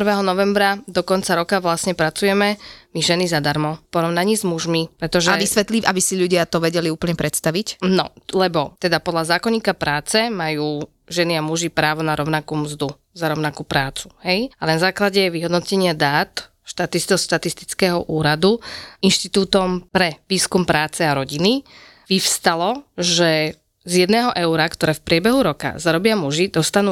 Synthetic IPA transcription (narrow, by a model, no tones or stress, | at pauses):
prʋɛːɦɔnɔʋɛmbɾad̪ɔkɔnt͡saɾɔkaʋlasɲɛpɾat͡sujɛmɛmiʒɛnizad̪aɾmɔpɔɾɔʊnaɲiːzmuʒmipɾɛt̪ɔʒɛaɛʋisʋɛt̪liʔabisiʎuɟɪat̪ɔʋɛɟɛliuːpl̩ɲɛpɾɛt̪st̪aʋicnɔ̰lɛbɔt̪ɛd̪apɔd̪lazaːkɔɲɲiːkapɾaːt͡sɛmajuː | ʒɛniamuʒipɾaːʋɔnaɾɔʊnakuːmzd̪u | zaɾɔʊnakuːpɾaːt͡su̥ɦɛjalɛnazaːklaɟɛʋiɦɔd̪nɔcɛɲɪad̪aːt̪ | ʃt̪at̪ist̪ʃt̪at̪ist̪i̥t͡skɛːɦɔʔuːɾad̪uinʃt̪it̪uːt̪ɔmpɾɛʋiːskumpɾaːt͡sɛaɾɔɟini | ʋiʊst̪alɔʒɛ | zjɛd̪nɛːɦɔʔɛʊɾakt̪ɔɾɛːfpɾɪɛbɛɦuɾɔka̰zaɾɔbɪamuʒid̪ɔst̪anuː